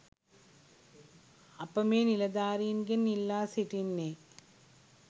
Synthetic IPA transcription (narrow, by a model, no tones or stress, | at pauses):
ɐpːɐmeːnilɐd̪aːɾinɡɐnnilːaːsiʈinːe